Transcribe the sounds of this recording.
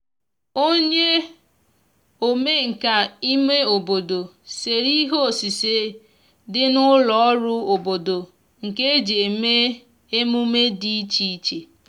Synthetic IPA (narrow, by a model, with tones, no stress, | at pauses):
o˦ɲe˦ | o˨me˦ŋ̩˨ka˨i˦me˦o˨bo˨do˨ | se˨ɾi˦ɦo˦o˨si˨se˦ | dɪ˦nʊ˦lɔ˨ɔ˦ɾʊ˦o˨bo˨do˨ | ŋ̩˨ke˦d͡ʒe˨me˦ | e˦mu˦me˦di˦i˦t͡ʃi˦i˦t͡ʃe˨